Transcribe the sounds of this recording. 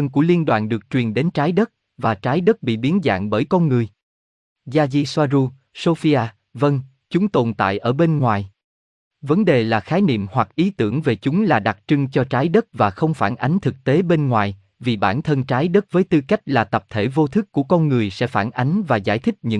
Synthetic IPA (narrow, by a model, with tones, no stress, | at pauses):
ə˧nku˧˩əli˧ənɗwa̰ː˧˨nɗɨ˨˩ək̚t͡ɕwi˨˩ənɗe˨˦nt͡ɕaː˨˦jɗə˦˥t̚ | vaː˨˩t͡ɕaː˨˦jɗə˦˥t̚ɓḭ˧˨ɓi˨˦ənza̰ː˧˨ŋɓəː˧˩jkɔ˧nŋɨ˨˩əj | zaː˧zi˧swaː˧zu˧ | so˧fi˧ʔaː˧ | və˧n | t͡ɕʊ˨˦ŋ͡mt̪o˨˩nt̪a̰ː˧˨jʔəː˧˩ɓe˧nŋwaː˨˩j | və˨˦nɗe˨˩laː˨˩xaː˨˦jnḭ˧˨mhwa˨˩k̚ʔi˨˦t̪ɨ˧˩əŋve˨˩t͡ɕʊ˨˦ŋ͡mlaː˨˩ɗa˨˩k̚t͡ɕɨ˧ŋt͡ɕɔ˧t͡ɕaː˨˦jɗə˦˥t̚vaː˨˩xə˧wŋ͡mfaː˧˩nʔa˨˦jŋ̟t̪ʰɨ˨˩k̚t̪e˨˦ɓe˧nŋwaː˨˩j | vi˨˩ɓa̰ː˧˩nt̪ʰə˧nt͡ɕaː˨˦jɗə˦˥t̚vəː˨˦jt̪ɨ˧ka˦˥jk̟̚laː˨˩t̪ə˨˩p̚t̪ʰe˧˩vo˧t̪ʰɨ˦˥kːu˧˩əkɔ˧nŋɨ˨˩əjsɛ̰˧˥faː˧˩nʔa˨˦jŋ̟vaː˨˩za̰ː˧˩jt̪ʰï˦˥k̟̚ɲɨ̰˧˥